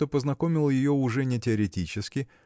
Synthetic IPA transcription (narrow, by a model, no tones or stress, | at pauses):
opəznɐko̞mʲɪlˠjɪjoʊʐɛnʲɪtʲɪɐɾʲɪtʲit͡ɕɪskʲɪ